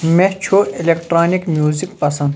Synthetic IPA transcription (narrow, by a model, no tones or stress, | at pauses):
met͡ʃʰoelekʈɾaːnikmʲjuːzikpɐsɐ̃nd̪